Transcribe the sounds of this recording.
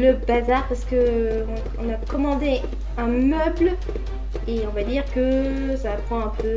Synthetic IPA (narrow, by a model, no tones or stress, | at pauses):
ləbazaʁpaʁsə̥kəɔ̰̃ːnakɔmɑ̃d̪e | ɛ̃mœbl | eɔ̃vad̪iʁkə | sapχɑ̃ɛ̃pø